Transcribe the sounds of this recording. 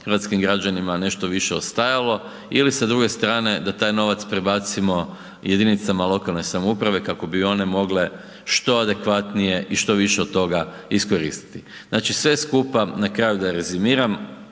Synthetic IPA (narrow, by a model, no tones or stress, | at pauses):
xɾʋat̪skimɡɾad͡ʑanimane̞ʃt̪o̞ʋiʃeo̞st̪ajalo̞ | ilisad̪ɾuɡe̞st̪ɾaːne̞d̪at̪aːjno̞ʋat̪spɾibat̪simo̞ | jʔed̪init̪samalˠo̞kalˠno̞jsamoupɾaʋe̞kako̞bio̞ne̞mo̞ɡle̞ | ʃt̪o̞ad̪ekʋat̪nije̞ʔiʃt̪o̞ʋiʃe̞od̪t̪ːo̞ɡa | isko̞ɾḭst̪i̥t̪i | znaːt͡ʃisʋeskupanakɾaːjud̪aɾezimiːɾam